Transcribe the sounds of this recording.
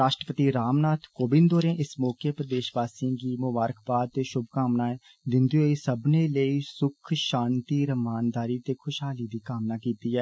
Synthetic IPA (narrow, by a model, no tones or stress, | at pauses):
ɾaːʃʈɾəpət̪iɾaːmnaːt̪ʰkoːbɪnd̪oːɾẽːʔɪsmɔːkʰjəpɾəd̪eːʃʋaːsĩkiːmʊbaːɾəkʰpaːd̪̚t̪eːʃʊbʱkaːmnaːɛː | d̪ɪ̃nd̪ioːiːsəbneːləiːsʊkʰʃãːnt̪iːɾəmaːnd̪aːɾiːt̪eːkʰʊʃɦaːliːd̪iːkaːmnaːkiːt̪iːɦɛː